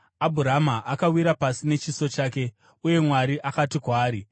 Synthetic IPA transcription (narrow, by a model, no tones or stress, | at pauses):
abʱuɾamaʔakawiɾapasine̞t͡ʃiso̞t͡ʃaːke̞ | uje̞mwaɾiʔakatikwaːɾi